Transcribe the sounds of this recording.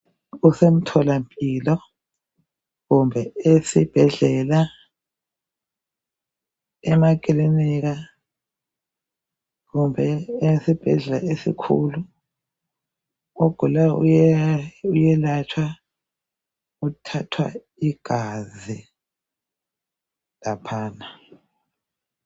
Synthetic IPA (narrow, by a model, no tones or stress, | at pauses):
usem̩tʰɔlampʼilɔ | ɣumbʱɛesib̥ʱɛɮɛla | ɛmak̬ʼiliniɣa | ɣumbʱɛesib̥ʱɛɮɛlaesḭkʰṵlu | ɔɡ̥ʱulaṵ | ujɛlat͡ʃʰwa | utʰatʰwa̰ | iɡ̥ʱazi | lapʰaːna